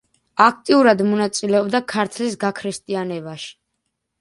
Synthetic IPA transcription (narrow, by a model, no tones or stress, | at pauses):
akʰt̪ʼiuɾad̪mɔnat̪sʼilɛɔbd̪akʰaɾt̪ʰlisɡakʰɾist̪ʼianɛbaʃi̥